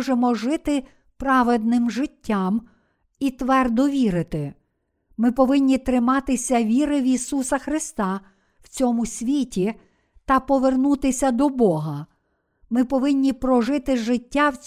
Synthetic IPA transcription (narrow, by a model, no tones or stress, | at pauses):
ʒemɔʒɪt̪ɪ | pɾɑʋed̪̚nɪmʒɪtʲːɑm | it̪ʋɛrd̪ɔʋʲiɾɪt̪ɪ | mɪpɔʋɪnʲːit̪ɾɪmɑt̪ɪsʲɐʋʲiɾɪwisusɐxɾɪst̪ɑ | wt͡sʲɔmʊsʲʋʲitʲi | t̪ɐpɔʋernut̪ɪsʲɐd̪ɔbɔɦɐ | mɪpɔʋɪnʲːipɾɔʒɪt̪ɪʒɪtʲːawt͡sʲ